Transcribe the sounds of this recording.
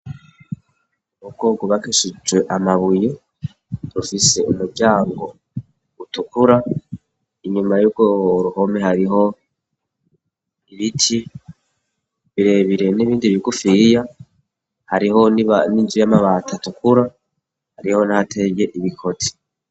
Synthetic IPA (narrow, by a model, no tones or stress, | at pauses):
mub̚ɡ̥oːɡoβakeʃid͡ʒwe̞ʔamaβuje | ɾufise̞umuɾɟaːŋɡo̞ | utukuɾa | iɲumajuːɡ̚ɡoɾuho̞mehaɾiɦo̞ | iβitʰi | βiɾe̞βiɾe̞niβiːndiβiɡufija | haɾiɦo̞naninzujamaβatʰatukuɾa | haɾiho̞nahatʰe̞je̞ʔiβikʰo̞tʰi̥